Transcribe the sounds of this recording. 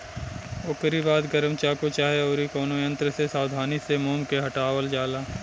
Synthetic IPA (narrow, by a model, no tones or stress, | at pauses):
oːkəɾibaːd̪ɡəɾəmt͡ʃaːkot͡ʃaːɦeoːɾikoːnoːjə̃nt̪ɾəsesaːd̪ʱaːnisemoːmkeɦɐʈaːʋəld͡ʒaːlaː